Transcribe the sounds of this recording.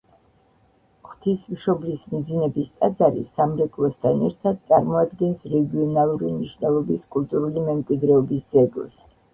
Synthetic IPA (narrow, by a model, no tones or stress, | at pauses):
χt̪ʰismʃɔblismid̪zinɛbist̪ʼad̪zaɾḭsamɾɛkʼlˠɔst̪ʰanɛɾt̪ʰad̪̚tsʼaɾmɔad̪ɡɛnsɾɛɡiɔnalˠuɾimniʃvnɛlˠɔbiskʼulˠt̪ʼuɾulimɛmkʼwid̪ɾɛɔbisd̪zɛɡlˠs